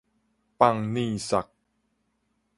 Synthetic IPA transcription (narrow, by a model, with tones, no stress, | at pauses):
pa˧˨ŋniː˥˧˨sa˨˩k̚